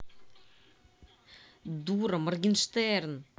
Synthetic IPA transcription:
d̪uɾamarɡinʃt̪ɛɾn

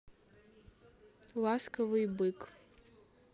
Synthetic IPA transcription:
lˠaskɐvɨjbɨk

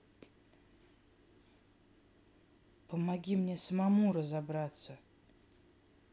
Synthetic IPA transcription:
pəmaɡʲimnʲɛsəmamuɾəzabɾat̪sə

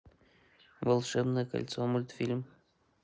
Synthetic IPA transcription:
vəlˠʂɛbnɨkɐ̰lʲt̪somulʲt̪fʲilʲm

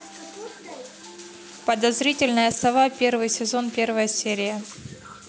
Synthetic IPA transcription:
pəd̪ɐzɾʲitʲɪlʲnɨjəsˠɐvapʲervɨjsʲɪzo̞npʲe̞rvəjəsʲeɾʲɪjə

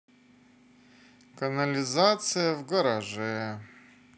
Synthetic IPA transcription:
kɐnɐlʲɪzat̪sɨjəvɡɐɾaʐɛ

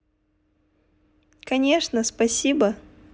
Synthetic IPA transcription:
kɐnʲe̞ʂnəspɐsʲibə

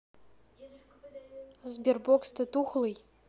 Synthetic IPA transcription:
zbʲerbokst̪ɨt̪uχlˠɨj

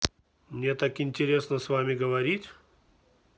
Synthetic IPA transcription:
mnʲet̪akɪnʲtʲɪɾʲesnəsvamʲɪɡəvɐɾʲitʲ

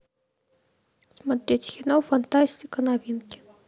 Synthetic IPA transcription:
smat̪ɾʲetʲxʲinawfant̪asʲtʲikənavʲinkʲ

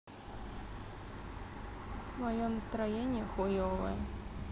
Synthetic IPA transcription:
mɐjonəst̪ɾɐjenʲɪjəxɔjɔvə̰jə

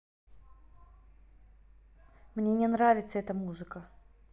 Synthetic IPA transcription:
mnʲenʲɛnɾavʲɪt̪səɛt̪əmuzɨkə

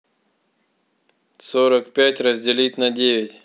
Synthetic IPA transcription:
soɾəkpʲatʲɾəzʲdʲɪlʲitʲnɐdʲeʋʲɪtʲ

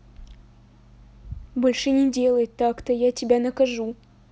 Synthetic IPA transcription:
bolʲʂɨnʲɪdʲelˠəjt̪ːɑkt̪əjatʲɪbʲænɐkɐʐu

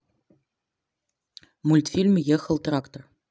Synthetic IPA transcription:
mulʲt̪fʲilʲmʲjɘ̆xɤ̆lˠt̪rakt̪or

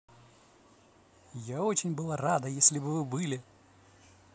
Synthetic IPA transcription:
jao̞t͡ɕɪnʲbɨlˠarad̪əjesʲlʲɪbɨvɨbɨlʲɪ

